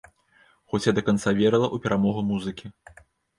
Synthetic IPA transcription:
xɔt͡sʲjad̪ɐkant̪savʲɛɾɐlˠɐʔupʲɛɾamɔɣumuzɨkʲi

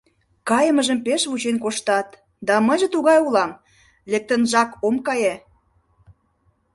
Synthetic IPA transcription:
kɑjəməʒəmpeʃβut͡ɕenkoʃt̪ɑt̪ | d̪ɑməjʒĕt̪uɣɑjulɑm | lek̚t̪ə̆nʒɑkomkɑje

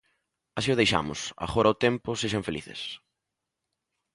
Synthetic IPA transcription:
asiʊðejʃa̰mʊ̰sa̰ɣɔɾɐʊt̪ɛmpʊseʃɐɱfeliθɪ̰s

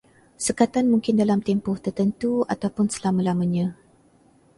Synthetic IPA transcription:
səkat̪anmũŋkɪndalamt̪ɛmpʊht̪ərt̪ənt̪ua̰t̪awpʊnsə̥lamãlamãɲã

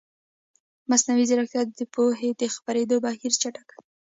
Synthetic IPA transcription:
masnawizaɾakjɑt̪̚d̪əpoɦed̪əxpaɾed̪obahiɾt͡ʃaʈaka

